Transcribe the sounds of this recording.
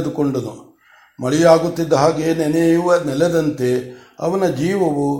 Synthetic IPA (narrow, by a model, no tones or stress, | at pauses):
d̪ukoɳɖɐnu | mɐɭijaːɡut̪ːid̪ːɐɦaːɡeneneʋɐnɛlɛd̪ɐnt̪e̞ɐ̰ʋɐnɐd͡ʒiːʋɐʋu